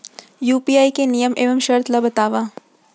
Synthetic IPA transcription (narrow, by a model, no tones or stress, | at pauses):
juːpiaːikenijəmeːʋəmʃɐɾt̪ʰlɐbɐt̪aːʋaː